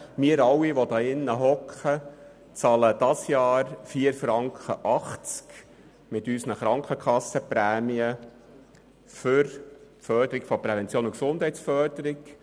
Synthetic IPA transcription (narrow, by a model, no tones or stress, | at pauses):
miəɾɑwiʋɔd̪ɑːɪnːəɦɔkχə | t͡sɑːləd̥̪ɑsjɑːɾfiːəɾfɾɑŋkχəʔɑχt͡sk | mɪt̪ysnəχɾɑŋkχəkχɑsːəpɾæːmiə | fʏɾ | fœːɾd̥̪əɾɪɡ̥fɔpɾɛvɛnt͡sjoːnʊksʊnd̥hɛɪtsfœːɾd̥̪əɾɪk